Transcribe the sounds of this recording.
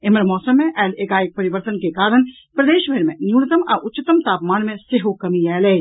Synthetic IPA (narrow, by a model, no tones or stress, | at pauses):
ɪmɾmɔːsəmːẽʔɛːleːkaːjɪk̚pɐɾɪʋəɾt̪ənkekaːɾəɽ̃ | pɾɐd̪eːʃʋʱɐɾmḛ̃njuːɽɪt̪əmaʔʊt͡ʃːɪt̪əmt̪aːpmaːnmẽseɦokɐmiɛːleː